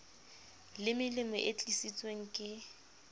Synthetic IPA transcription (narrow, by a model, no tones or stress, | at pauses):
lɪmɪlɪmʊʔet͡ɬʼisit͡sʼweŋ̩kʼɪ